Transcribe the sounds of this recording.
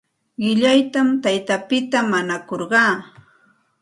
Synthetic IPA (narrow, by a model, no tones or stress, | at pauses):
ɢɪʎajt̪amt̪ajt̪apɪt̪amanakoɾɢɑː